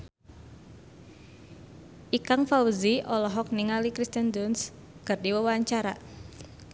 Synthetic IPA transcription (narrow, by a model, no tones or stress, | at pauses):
ʔikaŋfauziʔɔlɔɦɔk̚niŋalikɾist̪ənduns | kərdiwəwaɲt͡ʃaɾa